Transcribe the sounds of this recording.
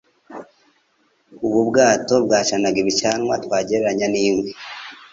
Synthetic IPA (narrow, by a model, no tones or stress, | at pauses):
uβubɡaːtobɡaːʃanaɡiβit͡ʃanwatwaːɟeɾɾaɲaniːŋwe